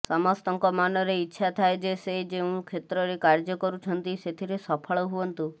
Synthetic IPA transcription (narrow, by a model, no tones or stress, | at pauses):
sɔmɔst̪ɔŋkɔmanɔɾeitːʃʰat̪ʰaed͡ʒesed͡ʒeũkʰet̪ɾɔɾekaɾd͡ʒɔkɔɾut͡ʃʰɔnt̪iset̪ʰiɾesɔpʰɔɭɔɦuɔnt̪u